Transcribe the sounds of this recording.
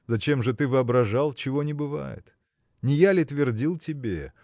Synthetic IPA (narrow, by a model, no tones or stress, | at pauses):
zɐt͡ɕe̞mʐɨt̪ɨvɨɐbɾɐʐalˠt͡ɕɪvo̞nʲɪbɨva̰jɪ̰t̪ | nʲɪjalʲɪt̪vʲɪrdʲilˠtʲɪbʲe